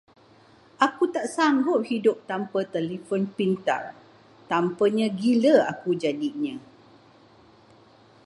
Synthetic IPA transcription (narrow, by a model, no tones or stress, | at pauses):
ʔakut̪aʔsaŋɡʊp̚hidʊp̚t̪ampət̪əlifonpint̪a̰r | t̪ampəɲə̃ɡiləakud͡ʒadiɲə̃